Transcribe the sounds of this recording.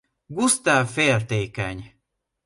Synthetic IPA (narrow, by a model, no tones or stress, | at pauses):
ɡust̪aːfeːrt̪eːkɛɲ